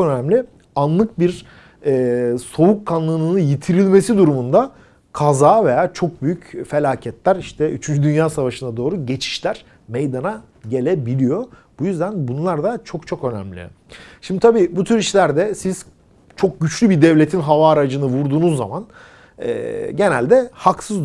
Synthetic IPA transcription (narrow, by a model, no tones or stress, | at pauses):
ønæmlʲi | anlˠɯk̚biɾ | ɛːso̞wukʰːanlˠɯnˠɯnɯjit̪ʰiɾilʲme̞sid̪uɾumund̪a | kʰazaːve̞jaːt͡ʃʰo̞k̚byjycfe̞lʲaːcʰɛt̪lʲæɾiʃt̪ʰɛyt͡ʃʰynd͡ʒyd̪ynjaːsavaʃɯnad̪o̞ːɾuɟe̞t͡ʃʰi̥ʃlʲæɾ̥ | mejd̪ana | ɟe̞lʲebilʲijo̞bujyzd̪ænbunlˠaɾd̪at͡ʃʰo̞kt͡ʃʰo̞kø̞nɛ̰mlʲḭ | ʃimd̪it̪ʰabiːbut̪ʰyɾiʃlʲæɾd̪ɛsiz̥ | t͡ʃʰo̞k̚ɟyt͡ʃlʲybid̪ɛvlʲe̞t̪ʰinɦavaːɾad͡ʒɯnɯvuɾd̪uːnuzːaman | ɛ̰ːɟe̞nælʲd̪ɛhaksɯzd̪